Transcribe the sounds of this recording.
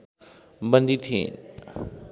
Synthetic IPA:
bənd̪it̪ʰḭ̃ːn

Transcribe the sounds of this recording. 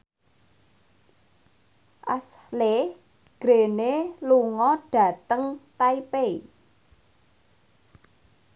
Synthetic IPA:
ʔas | leh | ɡ̥ɾeneluŋɔɖ̥ä̤t̪əŋt̪aipei

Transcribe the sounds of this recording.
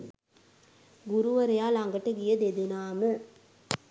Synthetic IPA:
ɡʊɾuʋɐɾɐjaːlɐŋɡɐʈːɐɡɪjɐd̪eðɪnaːmɨ

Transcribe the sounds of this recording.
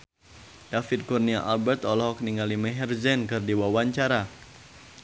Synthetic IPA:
d̥afɪd̪̚kurniaʔalbɛrt̪ɔlɔhɦɔk̚niŋalimɛɦɛrzɛnkɨrdiwawaɲt͡ʃaɾa

